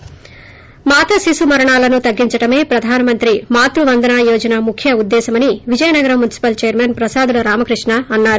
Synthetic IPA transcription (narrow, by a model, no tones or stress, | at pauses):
maːt̪ʰɐsisumɐɾɐɳaːlɐnut̪ɐɡːiɲt͡ʃɐʈɐme̞ːpɾɐd̪ʱaːnɐmɐnt̪ɾimaːt̪ɾuʋɐnd̪ʱɐnaːjoːd͡ʒɐnɐmukʰjɐud̪ːɛːsɐmɐniʋid͡ʒɐjɐnɐɡɐɾɐmːunisi̥pɐlt͡ʃeːɐɾmenpɾɐsaːd̪ulɐɾaːmɐkɾiʂɳɐɐnːaːɾu